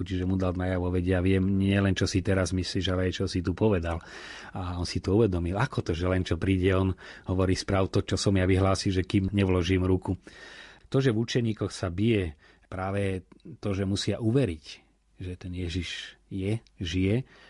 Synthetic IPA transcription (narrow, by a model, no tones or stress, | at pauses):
ut͡ʃiʒɛmud̪alnajaʋɔʋɛɟɛaʋɪɛmɲɪɛlɛnt͡ʃɔsit̪ɛɾazmisliːʒalɛajt͡ʃɔsit̪upɔʋɛd̪alaɔnsit̪ɔuʋɛd̪ɔmilakɔt̪ɔʒɛlɛnt͡ʃɔpɾiːɟɛɔnɦɔʋɔɾiːspɾaːʊt̪ɔt͡ʃɔsɔmjaʋiɦlaːsilʒɛkimɲɛʋlɔʒiːmɾuku | t̪ɔʒɛvut͡ʃɛɲiːkɔxsabijɛ | pɾaːʋɛt̪ɔʒɛmusɪaʔuʋɛɾic | ʒɛt̪ɛnjɛʒiʒjɛ | ʒijɛ